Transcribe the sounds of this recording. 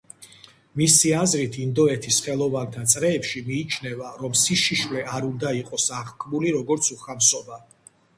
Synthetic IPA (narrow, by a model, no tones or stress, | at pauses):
misiazɾit̪ʰind̪ɔɛt̪ʰisχɛlˠɔvant̪ʰat̪sʼɾɛːpʃimiːt͡ʃʰnɛvaɾɔmsiʃiʃvlɛʔaɾund̪aiqʼɔsaʁkʰʼmuliɾɔɡɔɾt̪sʰuχamsɔba